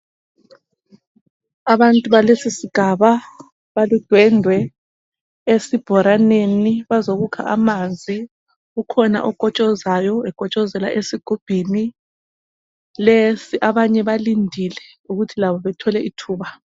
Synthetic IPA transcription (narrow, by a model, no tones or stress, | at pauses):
aβantʼuβalesisiɡ̥ʱaβa | βalud̥ʱwɛndʱwɛ | esib̥ʱɔɾaneniβazoɣukʰa̰ʔamand͡zʱi | ɣukʰɔna̰ʔɔɡ̥ʱɔt͡ʃʼɔzajɔɛɡ̥ʱɔt͡ʃʼɔzɛla̰ʔesiɡ̥ʱub̥ʱini | lesiʔaβaɲɛβalindʱilɛ | uɣutʰilaβɔβɛtʰɔlɛʔitʰuːβa